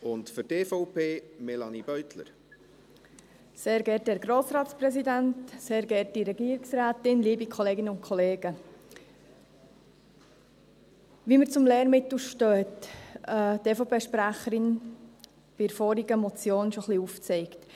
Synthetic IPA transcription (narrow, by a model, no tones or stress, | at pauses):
ʊntfʏɾteːfɔʊpʰeːmɛlɑnib̥œʏtlə̰ɾ | seːɾɡɛːɾthɛːɾɡɾoːsɾɑːtt͡sprɛsidæntseːɾɡɛɾtiɾɛɡiːɾɪksɾaːtɪnliːbikʰɔleːɡɪnəʊntkʰɔleːɡ̥ə | ʋiːməɾt͡sʊmlɛːɾmɪt̪l̩ʃtøːtɛteːfopeːʃpɾæχəɾɪn | b̥ɪɪɾfɔːɾiɡəmɔt͡sjoːnʃoχliuft͡sɛɪkt